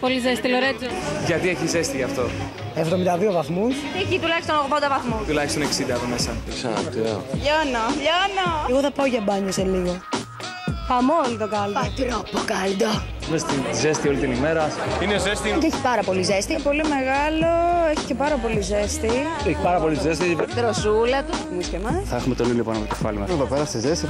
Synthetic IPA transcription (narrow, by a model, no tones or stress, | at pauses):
polizest̪iloɾet͡soʝɐt̪ieçize̞st̪iʝɐft̪o̞ | e̞vðomind̪ɐðio̞vɐθmust̪iecit̪ulɐçist̪onoɣðond̪ɐvɐθmut̪ulɐçist̪o̞ne̞ksind̪ɐpomesɐksɐ̰t̪io̰ʎonoʎonoeɣoθɐpɐoʝɐbɐɲoseliɣo̞ | pɐmolit̪o̞kɐld̪ɐot̪ɾopokɐld̪o | imest̪int̪izest̪io̞lit̪inimeɾɐsineozest̪iceeçi̥pɐɾɐpo̞lize̞st̪ipo̞lime̞ɣɐlo̞eçi̥cepɐɾɐpo̞lize̞st̪ieçi̥pɐɾɐpo̞lit̪uzes̬t̪it̪ɾosulɐt̪u | uskemɐθɐexumet̪o̞nilipo̞nɐpto̥efɐ̰limɐevɐpeɾɐst̪izest̪i